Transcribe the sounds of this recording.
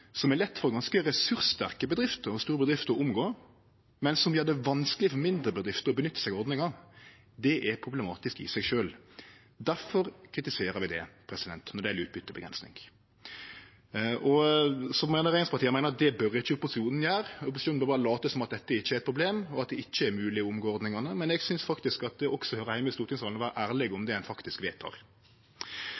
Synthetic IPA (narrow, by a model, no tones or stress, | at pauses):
sɔmæɾlɛt̪ːfɔɾɡɑnskəɾɛsʉɾst̪æɾkəbəd̪ɾɪft̪əɾɔst̪uːɾəbəd̪ɾɪft̪əɾɔʊmɡoː | mɛnsɔmʋɪɑd̪ɛʋɑnsklɪəfɔmɪnd̪ɾəbəd̪ɾɪft̪əɾɔbənʏt̪ːə̥sɛɡɔɾd̪nɪŋɑ | d̪ɛʔɛɾpʰɾʊblɛmɑːt̪ɪskɪ̰sɛɡʃøːl | d̪æɾfɔɾkʰɾɪt̪ɪseːɾəɾʋɪd̪ɛ̰pʰɾɛsɪd̪ɛnt̪nɔɾd̪ɛælʉːt̪̚bʏt̪ːəɔbəɡɾɛ̰nsnɪ̰ŋɡ | ʔɔsɔmæɪnəɾeɪspʰɑt̪ʰiːmæɪnəɾd̪ɛbœɾɪçːəɔpʊsɪuːnn̩jæːɾɔpʊsɪuːn̩bœɾbɑːɾəlɑːt̪əsɔmɑt̪̚d̪ɛt̪ːəɪt͡ʃːəæɾɛt̪pʰɾʊbleːmɔɑt̪̚d̪ɛɪt͡ʃːəæɾmʉːlɪʊmɡoːɔɾd̪nɪŋɑnəmɛnɛɡsʏnsfɑkt̪ɪskɑt̪̚d̪ɛɔksɔhøːɾəhæɪmɪst̪uːɾt̪ʰɪŋsɑlnɔʋæːɾəʔæːɾlɪɡʊmd̪ɛɛnfɑkt̪ɪskʋeːt̪ʰɑ̰ːɾ